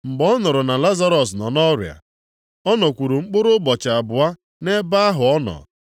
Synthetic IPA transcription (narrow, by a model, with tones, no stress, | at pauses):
ŋ͡m̩˨ɡ͡bɔ˦nʊ˨ɾʊ˨na˨la˦za˦ɾɔ˨s̬nɔ˨nɔ˦ɾja̰˨ | ɔ˦nɔ˨kʷu˨ɾu˨ŋ͡m̩˦k͡pʊ˦ɾʊ˦bɔ˨t͡ʃa˨a˨bʊ˨a˦ | ne˦ba˦a˦ɦʊ˨ɔ˦nɔ̰˨